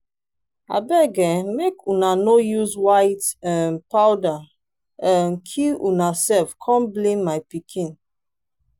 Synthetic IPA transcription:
a̰bɛɡɛmekunanojuzwaɪtɛ̃npawda | ɛ̃nkʰiunasɛlfkʰɔ̃mblẽmːajpikʰĩn

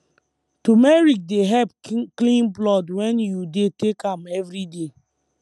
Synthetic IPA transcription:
tumɛɹik̚deɦɛpklĩnblɔdwɛ̃njudetekãmɛvɾide

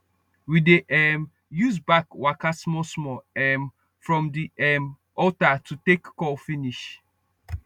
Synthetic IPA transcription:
wideʔɛm | juzbakwakasmɔsmɔɛm | fɹɔ̃mdiɛm | ɔtatutekːɔlfiniʃ

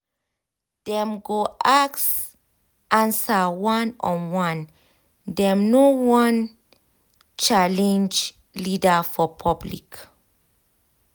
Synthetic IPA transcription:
d̥ɛ̃mɡoʔaks | ʔãnsawãnɔ̃nwãn | dɛ̃mnowɔ̃n | t͡ʃalɛ̃nd͡ʒ | lidafɔpʰɔblḭk

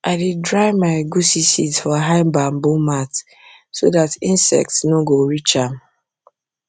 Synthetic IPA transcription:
aɪdidɹaɪmaɪɡusisizfɔɦaɪmbambomat | so̰datĩnsɛ̰k̚tsnoɡoɹit͡ʃãm

